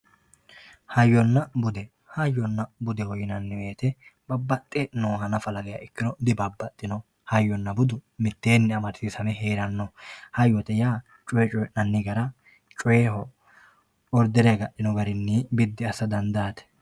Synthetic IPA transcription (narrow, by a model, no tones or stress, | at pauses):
hɐjːɔnːɐbʊd̪ɛ | hɐjːɔnːɐbʊd̪ɛhɔjɪnɐnːɪweːt̪ɛb̥ɐbːɐt̪ʼːɛnoːɦɐnɐfɐlɐɡɛja̰ɪkːɪnɔd̪ɪbɐbːɐt̪ʼːɪnɔ | hɐjːɔnːɐbʊd̪ʊmɪt̪ːe̞ːnːɪɐmɐɾsɪsɐmɛɦeːɾɐnːɔhɐjːɔt̪ɛjaː | t͡ʃʼɔjɛt͡ʃʼɔjɛʔnɐnːɪɡɐɾɐ | t͡ʃʼɔehɔ | ɔɾd̪ɛɾeɛɡɐɗːɪnɔɡɐɾɪnːibɪd̪ːɪɐsɐd̪ɐnd̪aːt̪ɛ̥